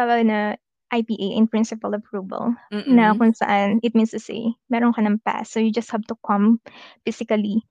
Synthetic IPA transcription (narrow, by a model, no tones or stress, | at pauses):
t̪aːwɐɡnɐ | ʔajpiːʔejʔɛ̰̃npɹɪ̃nsɪpɐlɐpɹuːvɐ̰lnɐkʊŋsɐ̰ʔanɪt̪̚mĩnst̪ʊsḛjmɛːɾonkɐnɐŋpa̰sːojʊd͡ʒɐst̪̚hɛvt̪ʊkʰɐ̃mfɪsɪkɐli